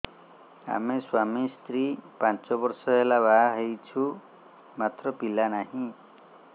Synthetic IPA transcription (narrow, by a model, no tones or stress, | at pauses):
a̰meswamist̪ɾipant͡ʃɔbɔɾsɔɦelaβaɦɦejt͡ʃʰu | mat̪ɾɔpilanaɦĩ